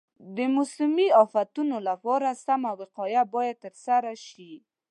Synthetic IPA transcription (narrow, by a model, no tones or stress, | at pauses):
d̪əmʊslɪmiɑfat̪unolapɑɾasamawɪqɑjabɑjad̪̚t̪ːəɾsaɾaʃi